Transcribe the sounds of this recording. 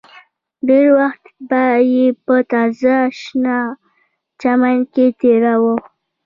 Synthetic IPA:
ɖeɾwaxt̪bajepət̪ɑzaʃna | t͡ʃamanket̪eɾawə

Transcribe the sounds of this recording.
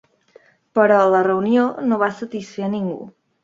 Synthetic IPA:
pəɾɔlərəunionoβasət̪isfeəniŋɡṵ

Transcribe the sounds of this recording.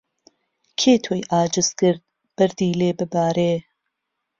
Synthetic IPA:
kʰeːt̪ʰoːjʔaːd͡ʒɨz̥kɨɾd̪̚ | b̥ɐɾd̪iːleːbɨbaːɾeː

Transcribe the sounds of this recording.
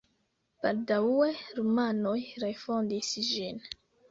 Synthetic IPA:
b̥aldaweɾumano̞jɾefo̞ndisd͡ʒin

